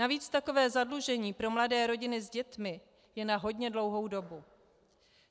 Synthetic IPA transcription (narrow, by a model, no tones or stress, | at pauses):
aviːt͡st̪ako̞vɛːzadluʒɛɲiːpɾo̞mladɛːɾo̞ɟɪnɪzɟɛt̪mɪ | jɛnaɦo̞dɲɛdlo̞wɦo̞wdo̞bu